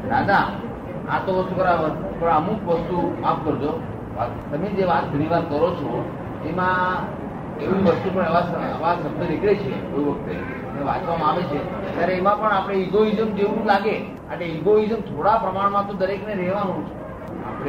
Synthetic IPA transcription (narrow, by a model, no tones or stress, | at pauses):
d̪ad̪a | a̰t̪oʋəst̪ukəɾaʋəpəɳəmukʋəst̪umapkəɾd͡ʒo | a̰ | t̪əmed͡ʒeʋat̪̚bʱəniʋad̪kəɾot͡ʃʰo | emã | eʋũʋəst̪upəɳəʋasəəʋasəb̚d̪ʱəɾeklet͡ʃʰekoiʋək̚t̪e | neʋat͡ʃʋamãaʋet͡ʃʰe | t̪jaɾeːmãpəɳapəɽ̃eiɡoizəmd͡ʒeʋũlaɡe | a̰ʈeiɡoizəmt̪ʰoɽapɾəmaɳmãt̪õd̪əɾekneɾɛɦʋanũt͡ʃʰe | a̰pɽe